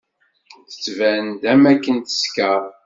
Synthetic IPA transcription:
θə̥t͡sːvænd̪æmækːənt̪ə̥skæ

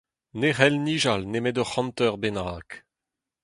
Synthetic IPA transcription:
neʁɛlniːʒalnemɛd̪ɔχɑ̃nt̪œʁbenaːk

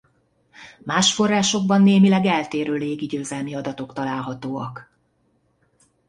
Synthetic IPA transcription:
maːʃfo̞raːʃo̞ɡ̚bɒnːeːmilɛɡɛlt̪eːɾøːleːɡiɟøːzɛlmiɒd̪ɒt̪o̞kt̪ɒlaːlɦɒt̪oːɒ̰k

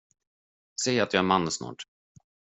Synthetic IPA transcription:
sɛjat̪̚ɑæɾmanːəsnɑ̰ːʈ

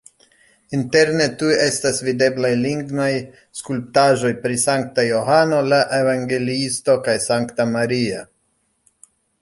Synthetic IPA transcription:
int̪e̞ɾnet̪ujest̪asvid̪e̞blajliŋɡnaj | skulp̚t̪aʒo̞jpɾisaŋk̚t̪ajoɦano̞laʔevaŋɡe̞liist̪o̞kajsaŋkt̪amaɾia

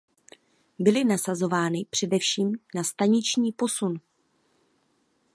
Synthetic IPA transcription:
bɪlɪnasazo̞vaːnɪpr̝̥ɛdɛfʃiːmnast̪aɲɪt͡ʃɲiːpo̞sun

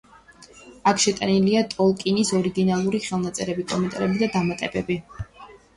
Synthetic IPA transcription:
akʰʃɛt̪ʼaniliat̪ʼɔlˠkʼinisɔɾiɡinalˠuɾiχɛlˠnat̪sʼɛɾɛbikʼɔmɛnt̪ʼaɾɛbid̪ad̪amat̪ʼɛbɛbi

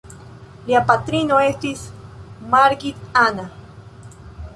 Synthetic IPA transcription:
liapat̪ɾinoest̪ismaɾɡit̪ana

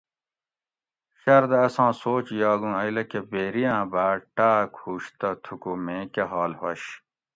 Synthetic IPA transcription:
ɕɐɾd̪eɐsãːsoːt͡ɕjɑːɡũːɐilɐkebeːɾijãːbaːʈaːkhuːɕt̪ɐt̪ʰukumẽːkeɦaːlhɐɕ

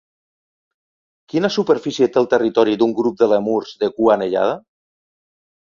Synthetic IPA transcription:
kinasupəɾfisiet̪elˠt̪erit̪ɔɾid̪uŋɡɾup̚d̪əlemuɾzðekuaneʎa̰ð̞a

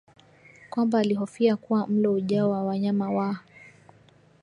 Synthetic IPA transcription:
kwambaːliɦɔfiakuwam̩lɔuʄaɔwawaɲamawa

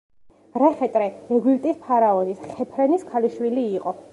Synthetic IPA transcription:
ɾɛχɛt̪ʼɾɛɛɡwilt̪ʼispʰaɾaɔnisχɛpʰɾɛniskʰaliʃwiliːqʼɔ

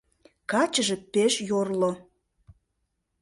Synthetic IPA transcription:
kɑt͡ɕəʒĕpeʃjorlo

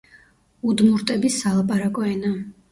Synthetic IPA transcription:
ud̪muɾt̪ʼɛbisalˠapʼaɾakʼɔɛna

